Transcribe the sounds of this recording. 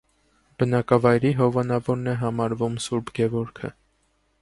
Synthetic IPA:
b̥ənɑkɑvɑjɾiɦɔvɑnɑvɔɾnɛɦɑmɑɾvumsuɾbɡɛvɔɾkʰə̰

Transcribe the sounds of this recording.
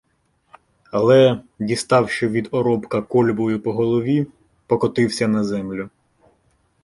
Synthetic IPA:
ɐlˠɛ | dʲist̪ɑwʃt͡ʃɔʋʲid̪ɔɾɔbkɐkɔlʲbɔjʊpɔɦɔlˠɔʋʲi | pɔkɔt̪ɪwsʲɐnɐzɛmlʲʊ

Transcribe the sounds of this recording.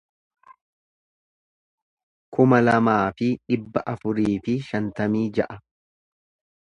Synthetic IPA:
kʊmɐlɐmaːfɪᶑɪbːɐʔɐfʊɾiːfɪʃɐnt̪ɐmiːd͡ʒɐʔɐ

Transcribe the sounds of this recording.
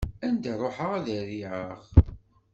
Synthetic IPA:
ænd̪æɾˤoħəʁæðæɾiʕəχ

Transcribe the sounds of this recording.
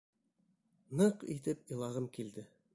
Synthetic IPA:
nɤqḭt̪ɘpilˠɑʁɤmkild̪ɘ

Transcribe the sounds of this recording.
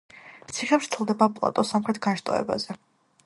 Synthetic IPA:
t̪sʰiχɛpʃt̪sʰɛlˠd̪ɛbapʼlˠa̰t̪ʼɔsamχɾɛt̪ʰɡanʃt̪ʼɔ̰ɛ̰ba̰zɛ

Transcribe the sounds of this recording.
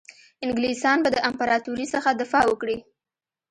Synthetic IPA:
ɪŋɡlisɑnbad̪əʔampaɾɑt̪uɾisəxad̪ɪfɑwəkɽi

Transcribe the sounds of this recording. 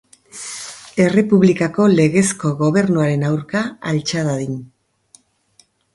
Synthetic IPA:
e̞re̞puβlikako̞le̞ɣe̞sko̞ɣo̞βe̞ɾnuaɾe̞nawɾkaalt͡ʃaðaðin

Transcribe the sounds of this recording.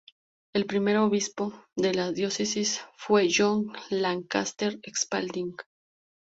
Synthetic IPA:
e̞lpɾime̞ɾoβispo̞ðe̞laðjo̞sesisfwe̞ʝoŋlaŋka̰st̪eɾekspa̰ld̪iŋɡ

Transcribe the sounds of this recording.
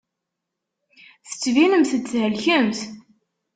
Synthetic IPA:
θə̥t͡sːvinəmθət͡sːhəlçəmθ

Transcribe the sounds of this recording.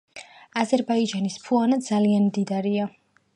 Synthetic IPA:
azɛɾbaid͡ʒanispʰuanad̪zalianmd̪id̪aɾia

